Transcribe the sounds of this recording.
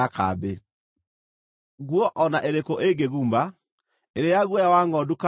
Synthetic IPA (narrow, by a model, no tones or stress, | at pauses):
aka̰be | ɣwɔʔɔnaʔeɾekoʔeɡeɣuːmba | eɾejaɣwɔjawaŋɡɔduka